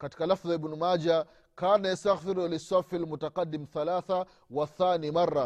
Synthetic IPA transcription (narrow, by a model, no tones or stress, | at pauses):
kati̥kalafðɪbnumaːd͡ʒa | kaːnajast̪aɣθɪɾlɪsafalmʊtaqadːɪmθalaːθa | waθːaːnimarːa